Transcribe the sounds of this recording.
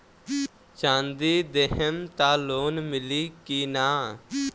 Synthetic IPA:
t͡ʃãːnd̪iːd̪eɦəmt̪aːloːnmɪliːkiːnaː

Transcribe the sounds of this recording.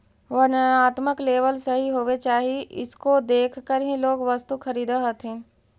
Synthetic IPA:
ʋɐnaːt̪məkleːʋəlsɐɦiɦoːʋet͡ʃaːɦiɪ̰skod̪eːkʰkəɾɦĩloːɡʋɐst̪ukɐɾiːd̪aɦɐt̪ʰẽː

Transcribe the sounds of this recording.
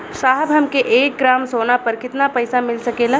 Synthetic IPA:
ʃaːɦbɦəmkeʔeːk̚ɡɾaːmsoːnapəɾkɪt̪napəjsamɪlsəkeːla

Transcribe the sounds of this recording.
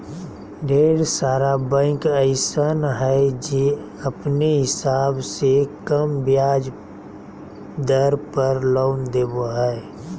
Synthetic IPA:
ɖeːɽsaːɾabɛ̃ːkəɪsənɦɛd͡ʒi | əpneɦɪsaːbsekəmbjaːd͡ʒ | d̪əɾpəɾloːnd̪eːboɦɛ

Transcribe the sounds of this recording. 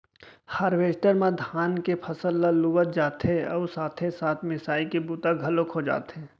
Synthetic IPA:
haːɾʋeːʃʈəɾmãd̪ʱaːnkepʰɐsəlːalubət̪̚d͡ʒaːt̪eɔːsaːt̪ʰesaːt̪ʰmɪsaːikebuːt̪aɡʱɐlokɦod͡ʒa̰ːt̪ɦẽː

